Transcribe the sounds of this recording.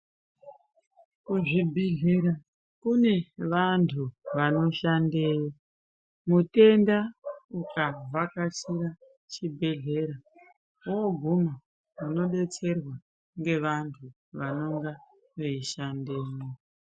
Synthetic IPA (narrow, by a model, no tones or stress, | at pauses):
kuʐibʱeɮe̞ɾa | kune̞ʋantʰuʋano̞ʃandeːjo | mute̞ndaukavʱakasiɾa | t͡ʃibʱe̞ɮe̞ɾa | wooɡʱuma | uno̞ɗe̞t͡se̞rwa | ŋɡe̞ʋantʰu | ʋano̞ŋɡa | ʋeiʃandeːno